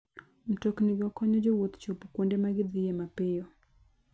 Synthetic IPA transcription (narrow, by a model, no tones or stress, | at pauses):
m̩tokniɡɔkɔɲɔd͡ʒɔwot̪t͡ʃopukondɛmaɡɪd̪ɪɛmapɪjɔ